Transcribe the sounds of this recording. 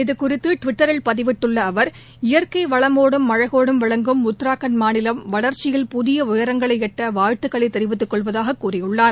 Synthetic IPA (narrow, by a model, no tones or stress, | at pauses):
ɪðɯkʊrɪt̪ːɯʈʋɪʈːɐɾɪlpɐðɪʋɪʈːɯɭːɐːʋɐɾ | ɪjɐɾkɐɪʋɐɭɐmoːɽɯmːɐɻɐɣoːɽɯmʋɐɭɐŋɡɯmʊt̪ːɾaːkɐnmaːnɪlɐmʋɐɭɐɾt͡ʃːɪjɪlpʊðɪjɐʊjɐɾɐŋɡɐɭɐɪɛʈːɐʋaːɻt̪ːɯkːɐɭɐɪt̪ːɛɾɪʋɪt̪ːɯkːɔɭʋɐðaːɣɐkːuːrɪjɯɭːaːɾ